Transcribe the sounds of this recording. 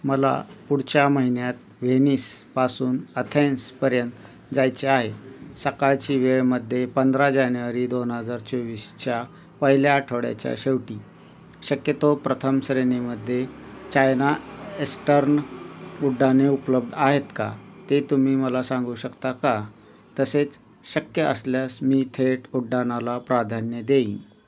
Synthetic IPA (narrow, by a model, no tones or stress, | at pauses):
məla̰puɽ̤t͡ɕjaməɦinjat̪ | ʋeniːspasuːnət̪ʰẽnspəɾjənt̪ | d͡zajt͡ɕeaɦesəkajt͡ɕiːʋeɭməd̪ʱːjepənd̪ɾad͡ʑanʋaɾiːd̪onɦəd͡zaɾt͡ɕoʋiːst͡ɕja | pəɦiljaːʈʰəʋɽja̰t͡ɕja̰ɕeʋʈiː | ɕəkjət̪opɾət̪ʰəmsɾeneməd̪ʱːjet͡ɕajnaesʈəɾnuɖːaneupləb̚d̪ʱaɦet̪ka̰t̪et̪um̤iːməlasãŋɡuːɕəkt̪aka | t̪əset͡s | ɕəkjəʔə̰sljasmiːt̪ʰeʈuɖːanalapɾad̪ʱanjəd̪eḭ̃